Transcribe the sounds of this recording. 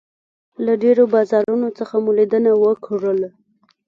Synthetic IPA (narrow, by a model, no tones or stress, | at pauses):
laɖeɾobɑzɑɾunot͡səxamulid̪ənawəkʰʐəl